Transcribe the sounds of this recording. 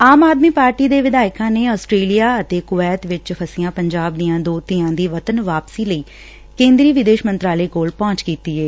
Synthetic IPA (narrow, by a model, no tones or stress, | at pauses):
aːmaːd̪miːpaːɾʈiːd̪eːʋɪd̪aːɪkãːneːɔːsʈɾeːlijaːət̪eːkʊʋɛːt̪ʋɪt͡ʃpʰəsɪjãːpəɲd͡ʒaːb̚d̪ɪjãːd̪oːt̪iãːd̪iːʋət̪ənʋaːpsiːləiː | kẽːnd̪ɾiːʋɪd̪eːʃmənt̪ɾaːleːkoːlpɔ̃ːt͡ʃkiːt̪iːɦɛː